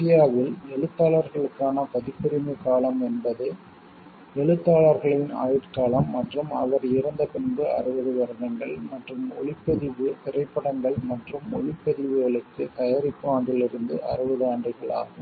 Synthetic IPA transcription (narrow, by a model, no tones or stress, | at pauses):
ɪjaːʋɪlɛɭɯt̪ːaːɭɐɾɣɐɭɯkːaːnɐpɐðɪpːɪɾɪmɯkaːɭɐmɛnbɐðɯ | ɛɭɯt̪ːaːɭɐɾɣɐɭɪna̰ːjɪʈkaːɭɐmːɐʈrɯmɐ̰ʋɐɾɪɾɐnd̪ɐpɛɳbɯɐ̰rɯʋɐðɯʋɐɾɯnɐŋɡɐɭmɐʈrɯmɔ̰ɭɪpːɐðɪʋɯpɪrɐɪpːɐɽɐŋɡɐɭmɐʈrɯmɔ̰ɭɪpːɐðɪʋɯɣɐɭɯkːɯt̪ɐjɐɾɪpːɯaːŋɡɪɭɪɾɯnd̪ɯʔɐ̰rɯʋɐðɯaːɳdrɯɣɐɭa̰ːɣɯm